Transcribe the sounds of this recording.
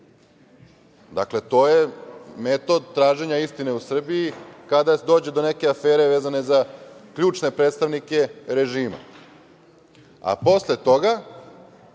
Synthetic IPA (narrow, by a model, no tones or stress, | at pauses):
d̪a̰kle̞t̪o̞ːjeme̞t̪o̞d̪̚t̪ɾaːʒe̞ɲaist̪ine̞usr̩biikad̪ad̪o̞ːd͡ʑed̪o̞ne̞keafe̞ːɾe̞ʋeːzanezakʎuːt͡ʃne̞pɾeːt̪st̪aʋnike̞ɾe̞ʒiːma̰ | a̰po̞slet̪o̞ɡa